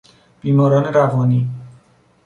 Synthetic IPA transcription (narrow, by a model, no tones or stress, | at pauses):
b̥iːmɒːɾɒːne̞ɾævɒːniː